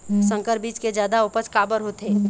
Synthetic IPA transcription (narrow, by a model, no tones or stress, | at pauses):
sə̃ŋkəɾbiːt͡ʃked͡ʒjaːd̪aʊpət͡ʃkaːbəɾɦot̪eː